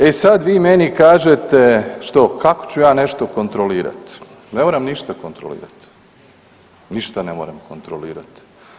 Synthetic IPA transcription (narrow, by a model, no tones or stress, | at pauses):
e̞sad̪ʋiːme̞nikaːʒet̪eʃt̪o̞kako̥t͡ɕujaːne̞ʃt̪o̞ko̞nt̪ɾoliːɾa̰t̪ | nemoːɾamniʃt̪akont̪ɾo̰lḭːɾa̰t̪ | niʃt̪ane̞moːɾamko̞nt̪ɾoliːɾa̰t̪